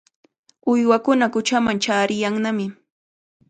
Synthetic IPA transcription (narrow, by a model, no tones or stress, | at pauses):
ʊjwakʊnakʊt͡ʃamaŋt͡ʃaːɾɪjaŋnamɪ